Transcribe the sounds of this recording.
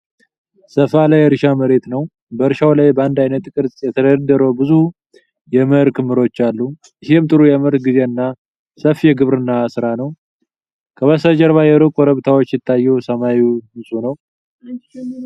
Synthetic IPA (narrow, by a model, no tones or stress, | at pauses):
səfalajɛɾɨʃaməɾe̞t̪nəw | bəɾɨʃawlajbəand̪ajnət̪kʼɨɾtʼjɛt̪ʰəd̪əd̪ːəɾəbɨzu | jɛməɾkʰɨmːɨɾo̞t͡ʃːalːu | ɨhemt̪ʼɨɾujɛməɾt̪ɡize̞ɨnːa | səfjɛɡɨβɾɨnːasɨɾanəw | kʰəβəsəd͡ʒɛɾβajɛɾukʼɔɾəβt̪ʰawo̞t͡ʃːjɪt̪ʰːajːɛwsəmajihɨnsʼunəw